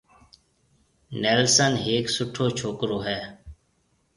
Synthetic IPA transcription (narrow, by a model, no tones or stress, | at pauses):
nɛːlsənɦeːksʊʈʰoːt͡ʃʰoːkɾoːɦɛː